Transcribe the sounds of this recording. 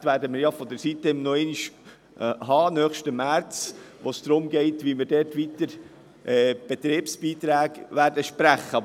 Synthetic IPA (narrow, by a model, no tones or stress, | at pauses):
tʋæːɾdəmɪɾjɑfɔd̪əɾsit̪ːəɪmnɔɛniʃ | ɦɑːnœːχʃtəmæɾt͡s | ʋosd̥ɾʊmɡɛɪt̪ʋimɪɾdɛrtʋit̪əɾ | ʔɛːb̥ɛt̪ɾeːpsb̥iːt̪ɾæːɡʋæːɾdəʃpɾæχːə